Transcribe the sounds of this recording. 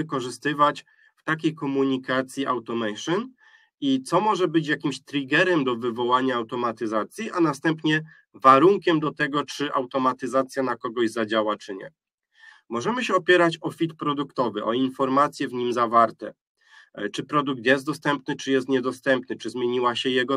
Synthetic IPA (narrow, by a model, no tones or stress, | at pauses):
ɘkɔʐɘst̪ɘvat͡ɕ | ft̪akʲejkɔmuɲikat̪sʲjiʔawt̪ɔmɛjʂɨn | it̪sɔmɔʐɛbɘt͡ɕjakʲimɕt̪ɾʲiɡɛɾɛmd̪ɔvɘvɔwaɲaːwt̪ɔmat̪ɘzat̪sʲjiʔanast̪ɛmpɲɛ | vaɾuŋkʲɛmd̪ɔt̪ɛɡɔt͡ʂɘʔawt̪ɔmat̪ɘzat̪sʲjanakɔɡɔʑzad͡ʑawat͡ʂɘɲɛ̰ | mɔʐɛmɘɕɛɔpʲjɛɾat͡ɕɔfʲit̪pɾɔd̪ukt̪ɔvɘʔɔinfɔɾmat̪sʲjɛvɲimzavaɾt̪ɛ | t͡ʂɘpɾɔd̪uk̚t̪jɛst̪d̪ɔst̪ɛmpnɘt͡ʂɘjɛst̪ɲɛd̪ɔst̪ɛmpnɘt͡ʂɘzmʲjeɲiwaɕɛjɛɡɔ